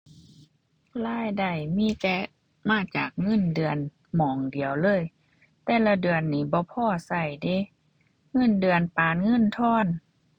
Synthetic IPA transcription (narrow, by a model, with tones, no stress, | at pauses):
laː˧˥˨jda˧˩jmiː˧˥˨t̪ɛː˧˥ | maː˧˥˩t͡ɕaː˨˩k̚ŋɤ˧˥˨ndɯ˨˩ən | mɔː˨˦ŋdi˨˩əwlɤː˧˥˨j | t̪ɛː˧˩la˧dɯ˨˩ənːiː˨˦bɔː˧˦pʰɔː˧˩˨sa˧˩jde˧˦ | ŋɤ˧˥˨ndɯ˨˩ənpaː˨nŋɤ˧˥˨nt̪ʰɔː˧˥˨n